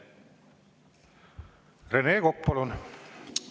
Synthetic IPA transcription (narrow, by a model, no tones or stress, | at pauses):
reneːkok̚ːpɑlun